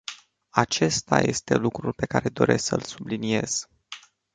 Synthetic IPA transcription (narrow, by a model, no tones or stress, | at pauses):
at͡ʃe̞st̪aje̞st̪e̞lukɾulpe̞kaɾe̞d̪o̞ɾʔe̞ssəlsublinie̞z̥